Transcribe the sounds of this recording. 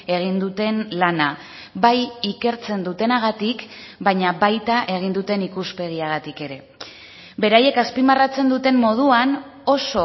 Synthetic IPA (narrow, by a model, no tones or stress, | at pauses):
e̞ɣ̞ind̪ut̪e̞nlana | bajike̞ɾt͡se̞nd̪ut̪e̞naɣ̞at̪ikbaɲaβajt̪aʔe̞ɣ̞ind̪ut̪e̞nikuspe̞ɣ̞iaɣ̞at̪ike̞ɾe̞ | be̞ɾaje̞kaspimarat͡se̞nd̪ut̪e̞mmo̞ð̞uan | o̞so̞